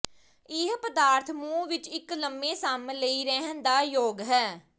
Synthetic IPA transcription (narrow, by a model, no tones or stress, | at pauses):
ɪɦpəd̪aːɾt̪ʰmũːʋɪt͡ʃɪkləmːẽːsaːmləiːɾɛɦənd̪aːjoːɡɦɛː